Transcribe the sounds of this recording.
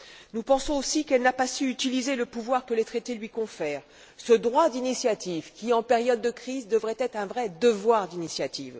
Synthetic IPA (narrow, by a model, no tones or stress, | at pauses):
nupɑ̃sɔ̃osikɛlnapasyyt̪ilizeləpuvwaʁkəlet̪χet̪elɥikɔ̃fɛːʁ | səd̪ʁwad̪inisjat̪ʰivkʲiɑ̃peʁjɔd̪ːəkχizd̪əvʁɛt̪ɛt̪χɛ̃vʁɛd̪əvwaʁd̪inisjat̪iːv